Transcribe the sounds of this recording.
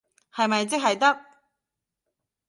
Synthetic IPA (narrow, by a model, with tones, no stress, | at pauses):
hɐ˨jmɐ˨jt͡sɪ˥k̚ɦɐ˨jt̪ɐ˥k̚